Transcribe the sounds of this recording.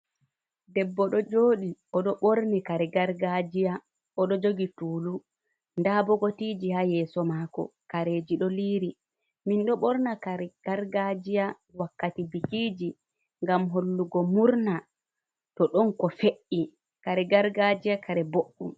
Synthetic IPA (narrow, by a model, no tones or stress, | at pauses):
dɛbːɔɗɔd͡ʒoːɗiɔɗɔɓoɾnikaɾɛɡaɾɡad͡ʒija | ɔɗɔd͡ʒoɡituːlu | ndabɔɡotiːd͡ʒihajɛːsɔmaːkɔ̰kaɾeːd͡ʒiɗɔliːɾi | minɗɔɓɔɾnakaɾɛɡ̥aɾɡad͡ʒija | wakːatibikiːd͡ʒi | ŋɡamɦolːuɡɔmuɾna | tɔɗɔnkɔfeʔːi | kaɾɛɡaɾɡad͡ʒijakʰaɾɛboɗːum